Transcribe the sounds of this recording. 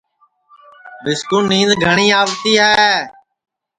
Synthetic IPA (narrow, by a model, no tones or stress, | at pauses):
bɪskuːnĩːnd̪ɡʱəɳ̃iːaːʋt̪iːɦɛː